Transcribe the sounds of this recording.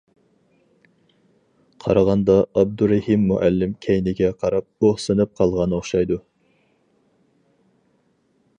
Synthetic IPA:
qʰɑ̰ɾɑʁɑnd̪ɑɑb̚d̪uɾæhimːuʔælːɪmkʲʰɛjnɪɡʲɛqʰɑɾɑp̚oχsɨnɨp̚qʰɑlˠʁɑnɨoχʃɑjd̪u

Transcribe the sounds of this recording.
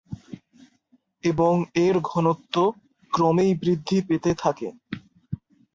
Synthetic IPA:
eboŋeɾɡʱɔnot̪ːo | kɾɔmejbɾid̪ʱːipet̪et̪ʰakḛ

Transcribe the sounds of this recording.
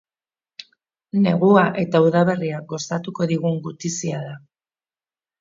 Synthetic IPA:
ne̞ɣ̞uaʔe̞t̪auðaβ̞e̞riaɡo̞st̪at̪uko̞ðiɣ̞uŋɡut̪isiaða

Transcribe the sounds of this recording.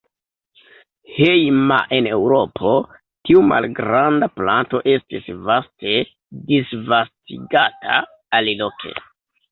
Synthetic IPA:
hejma̰ʔene̞wɾo̞pʰo̞ | tiuma̰lɡɾandaplanto̞ʔe̞stisvaste̞ | disvastḭɡatʰa̰ː | lilo̞kʰe̞̰

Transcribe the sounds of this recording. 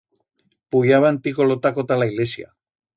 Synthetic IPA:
puʝaβant̪ikolot̪akot̪alaiɣlesia̰

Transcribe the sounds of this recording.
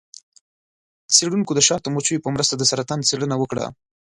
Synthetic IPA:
t͡seɽunkod̪əʃɑt̪əmot͡ʃujopəmɾəst̪ad̪əsaɾat̪ɑnt͡seɽənawəkɽa̰

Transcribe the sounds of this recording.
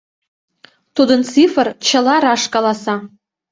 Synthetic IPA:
t̪ud̪ə̆nt͡sifə̆rt͡ɕə̆lˠɑɾɑʃkɑlˠɑsɑ

